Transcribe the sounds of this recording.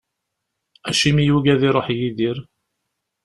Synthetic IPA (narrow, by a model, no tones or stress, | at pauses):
æʃimijuʝæðiɾˤoħjiðiɾ